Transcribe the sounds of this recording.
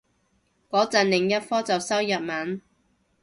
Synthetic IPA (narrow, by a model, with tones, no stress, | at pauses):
kɔː˨˥t͡sɐ˨nlɪ˨˩ŋjɐ˥t̚fɔː˥t͡sɐ˨wsɐ˥wjɐ˨t̚mɐ˨˥n